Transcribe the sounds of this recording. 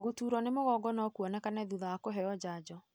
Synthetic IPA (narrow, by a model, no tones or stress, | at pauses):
ɣotuːɾɔnemoɣɔɡɔnɔkuɔnɛkanɛðuðawakoɦɛɔd͡ʑaːd͡ʑɔ